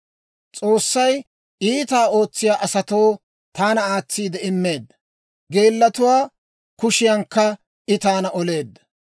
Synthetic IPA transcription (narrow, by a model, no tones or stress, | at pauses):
t͡sʼo̞ːsːɐj | ʔiːt̪aːo̞ːt͡sːɪjaːʔɐsɐt̪o̞ː | t̪aːnɐaːt͡sːiːd̪ɛɪmːe̞ːd̪ːɐ | ɡe̞ːlːɐt̪ʊwaː | kʊʃɪjɐŋkːɐ | ʔɪt̪aːnɐʔɔle̞ːd̪ːɐ̥